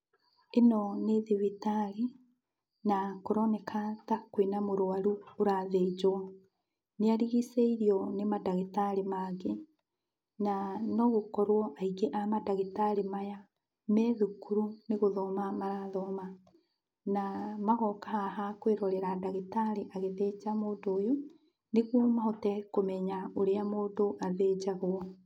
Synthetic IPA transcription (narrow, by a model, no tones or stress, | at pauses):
enɔneðiβitaɾi | nakoɾɔnɛkʰatakwinamoɾoaɾuoɾaðed͡ʒoɔ | neaɾiɣiseiɾiɔnemadaɣitaɾimaɡe | nanɔɣokɔɾwɔʔaiɡeʔamadaɣitaɾemaja | mɛðukuɾuneɣoðɔmamaɾaðɔma | namaɣɔkahaɦakweɾɔɾeɾadaɣitaɾiʔaɣeðed͡ʑamoːdoːjo | neɣwɔmahɔtɛkomɛɲaoɾeamoːdoʔaðeːɟaɣwɔ